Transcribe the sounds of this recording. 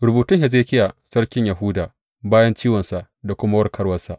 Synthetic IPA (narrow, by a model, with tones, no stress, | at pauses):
ɾʊ˨buː˨tʊ˦ŋhɛ˨z̬eː˦kʲɪ˦ja˨sɐ˦ɽkʲɪ˦ɲjɐ˨ɦʊː˦daː˨ | baː˦jɐ˦nt͡ʃiː˦wɐ˨nsa˨ʔ | da˨kʷʊ˦ma˦wɐ˦rkʰɐ˦ɽwɐ˦nsa˨ʔ